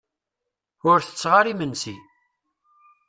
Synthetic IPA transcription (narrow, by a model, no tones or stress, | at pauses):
ʊɾθə̥t͡sːʁaɾimənsi